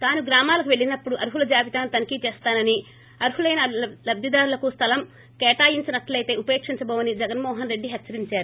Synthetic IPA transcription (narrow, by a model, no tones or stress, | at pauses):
t̪aːnuɡɾaːmaːlɐkuʋe̞ɭːinɐpːuɽuʔɐɾuɦulɐd͡ʒaːʋit̪aːnut̪ɐnkit͡ʃɛːst̪aːnɐni | ɐɾuɦulɐjnɐlɐb̪ɐd̪aːɾulɐkust̪ʰɐlɐm | kɛːʈaːjiɲt͡ʃinɐt̪ɐlɐjt̪e̞ːupe̞ːkʂiɲt͡ʃɐbɐːʋɐnid͡ʒɛɡɐnmɔːɦɐnɾe̞ɖːiɦɐtːt͡ʃːɐɾiɲt͡ʃaːɾu